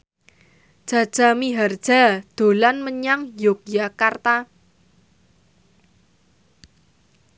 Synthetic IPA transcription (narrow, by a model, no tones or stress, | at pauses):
d̥ʒ̥a̤d̥ʒ̥a̤miɦard̥ʒ̥a̤d̪̥o̤lanməɲaŋjok̚jakart̪a